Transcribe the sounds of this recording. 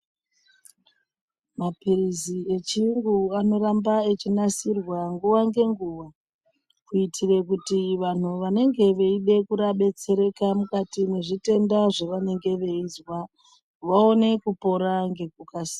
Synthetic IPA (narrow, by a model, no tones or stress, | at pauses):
mapirizie̞t͡ʃiŋɡuano̞ɾambaet͡ʃinasirwaŋɡuwaŋɡe̞ŋɡuʋa | kuitʰire̞kutiʋan̤uʋane̞ŋɡe̞ʋe̞iɗe̞kuɾaɓe̞t͡se̞ɾe̞kamukatineʐite̞ndaʐe̞ʋane̞ŋɡe̞ʋe̞izwa | ʋao̞ne̞kupo̞ɾaŋɡe̞k̚ukasi̥